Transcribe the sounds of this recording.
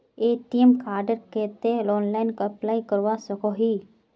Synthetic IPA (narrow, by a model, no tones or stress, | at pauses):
eːʈijəmkaːɾɖəɾkeːt̪elɔːnlaːɪnkəplaːikəɾʋasəkoɦiː